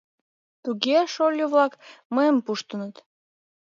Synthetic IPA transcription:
t̪uɣeʃolʲjoβlɑkməəmpuʃt̪ənət̪

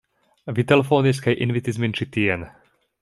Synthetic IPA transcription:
ʋit̪ɛlɛfoːniskɛjʔḭnʋit̪izmint͡ʃit̪iɛn

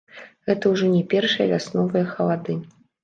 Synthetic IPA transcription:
ɣɛt̪ɐwʐɔnʲɛpʲɛrʂɨjɐ̰vʲasnɔvɨjɐxɐlˠad̪ɨ

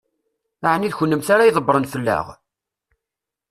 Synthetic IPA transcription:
aʕəniðçənːəmθaɾajðˤəbːɾˤənθəlːæ̰ʁ

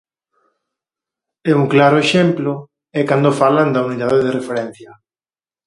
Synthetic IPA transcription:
ɛuŋklaɾʊeʃemplʊ | ɛkand̪ofaland̪ɐuniðaðeðɪrefeɾɛn̟θjɐ

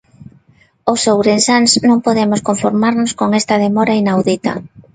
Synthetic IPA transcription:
osowɾensansnõŋpoðemoskoɱfoɾmaɾnoskoŋest̪ɐð̞emɔɾainawðit̪ɐ̰

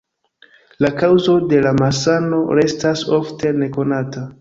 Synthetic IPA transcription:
lakawzo̞de̞lamasano̞ɾe̞staso̞ftʰe̞ne̞ko̞nata

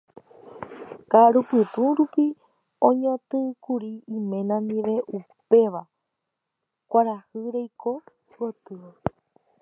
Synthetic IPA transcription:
kaɾupɨt̪ũɾupi | õɲõt̪ɨkuɾiĩmẽ̞nãnd̪iʋe̞ʔupe̞ʋa | kʷaɾahɨɾejko̞ | wot̪ɨ

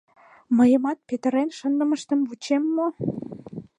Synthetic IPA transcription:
məjəmɑt̪̚pet̪əɾenʃənd̪ə̆məʃt̪əmvut͡ɕemːo

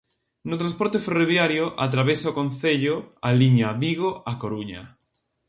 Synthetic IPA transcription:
nʊt̪ɾãspoɾt̪eferoβ̞jaɾjoʔat̪̬ɾaβesaokõnθeʎoaliɲaβiɣoakoɾuɲa̰

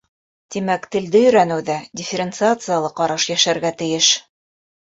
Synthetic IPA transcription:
t̪imækt̪ɘ̆ld̪ɘjɵ̆ɾænɘ̆wðædʲɪfʲɪɾʲɪnt̪sɨat̪sɨjalˠɤqɑɾɑʃjæʃæɾɡæt̪ɘ̆jɘʃ

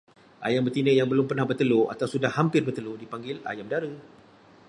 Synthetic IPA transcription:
ʔa̰jambərt̪inəjaŋbəlʊmpərnahbərt̪əloa̰t̪awsudahːampɪrbərt̪əlodipaŋɡɪla̰jamdaɾə

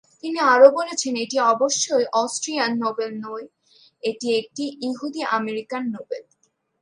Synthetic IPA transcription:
t̪iniaɾobolet͡ɕʰeneʈiɔboʃːoejʔɔsʈɾianːobelnɔe | eʈiek̚ʈiʔiɦud̪iameɾikanːobel

